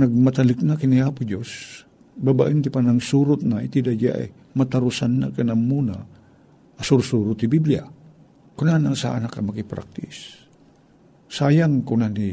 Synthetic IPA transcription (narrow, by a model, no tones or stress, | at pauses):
nɐɡ̚mat̪alɪknakiniapʊd͡ʒos | baba̰ʔint̪ɪpanaŋsuɾʊt̪̚nait̪id̪ad͡ʒa̰ʔa̰j | mat̪aɾʊsanːa̰kanamːuna̰ | asuɾsuɾʊt̪ːibiblia̰ | kʊnanasa̰ʔa̰nakamakipɾa̰k̚t̪ɪs | saːjaŋkʊnani